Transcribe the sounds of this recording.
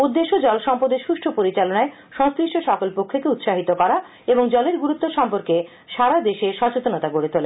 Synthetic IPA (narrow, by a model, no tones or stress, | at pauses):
ud̪ːeʃod͡ʑɔlʃɔmpod̪eɾʃuʃʈʰopoɾit͡ɕalonae | ʃɔŋskɾiʃʈoʃɔkolpokʰːekeut̪ʃaɦit̪okɔɾa | eboŋd͡ʑɔleɾɡuɾut̪ːoʃɔmpoɾke | ʃaɾad̪eʃeʃɔt͡ɕot̪onat̪aɡoɾet̪ʰole